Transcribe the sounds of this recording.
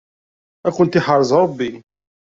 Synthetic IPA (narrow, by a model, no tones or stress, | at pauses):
ækʊnt̪iħɑrˤːzˤɾˤəbːi